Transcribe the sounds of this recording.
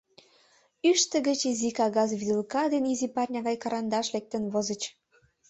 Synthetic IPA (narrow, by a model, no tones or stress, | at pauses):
yʃt̪ə̆ɣə̆t͡ɕizikɑɣɑzβid̪əlkɑd̪enizipɑrʲnʲɑɣɑjkɑɾɑnd̪ɑʃlek̚t̪ə̆nβozə̆t͡ɕ